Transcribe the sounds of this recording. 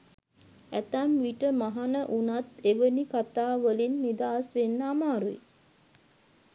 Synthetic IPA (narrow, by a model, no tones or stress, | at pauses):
æt̪æmʋiʈəmaɦanəʔunat̪eʋənikat̪aːʋəlinːid̪aːsʋenːəːmaːɾuḭ